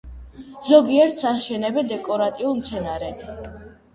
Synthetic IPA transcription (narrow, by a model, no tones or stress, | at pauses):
zɔɡiɛɾt̪ʰsaʃɛnɛbɛd̪ɛkʼɔɾat̪ʼiulˠmt̪sʰɛnaɾɛd̪ʰ